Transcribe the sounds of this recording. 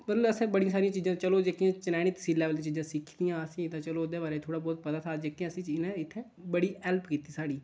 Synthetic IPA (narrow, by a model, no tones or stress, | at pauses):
bət̪loəsẽːbəɽijãːsaːɾijãːt͡ʃiːzãt͡ʃəloːd͡ʒəkːijãːt͡ʃənaːñiːt̪ə̥siːlːɛːʋəlːt͡ʃiːzãːsɪkʰːd̪ijãːəsĩːd̪ãːt͡ʃəloːd̪eːbaːɾeːt̪ʰoːɽaːbɔːt̪̚pəd̪aːt̪ʰaːd͡ʒəkːijãːəsĩːt͡ʃɪnɛ̃ːɪt̪ʰːẽː | bəɽiːɛːlpkiːt̪iːsaːɽiː